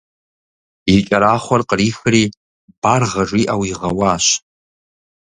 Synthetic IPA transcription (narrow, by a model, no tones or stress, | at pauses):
it͡ʃʼaɾaχʷarqʼrixri | b̥arʁaʐiʔawiʁawaːʃ